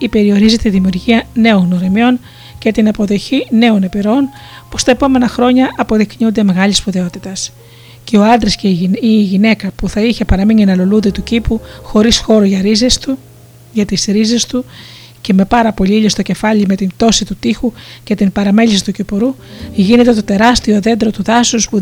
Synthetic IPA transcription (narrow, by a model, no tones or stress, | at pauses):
ipe̞ɾio̞ɾizit̪iðimiuɾʝiɐne̞onɣnoɾemio̞n | cet̪inɐpo̞ðo̞çine̞o̞ne̞piɾoon | po̥st̪ɐepo̞me̞nɐxɾo̞ɲɐʔɐpo̞ðikɲund̪e̞me̞ɣɐlisfoðe̞o̞t̪it̪ɐs | ce̞o̞ɐnd̪ɾesceiːʝine̞kɐpuθɐiçe̞pɐɾɐmininɐlo̞lundet̪ucipuxo̞ɾisxo̞ɾoʝɐɾizest̪u | ʝɐt̪isɾize̞st̪u | ce̞me̞pɐɾɐpo̞ʎiiʎost̪o̞ce̞fɐʎime̞t̪int̪o̞sit̪ut̪ixuce̞t̪impɐɾɐme̞ʎisi̥t̪ucopoɾuʝine̞t̪e̞t̪o̞t̪e̞ɾɐst̪io̞ðe̞nd̪ɾo̞t̪uðɐsuspu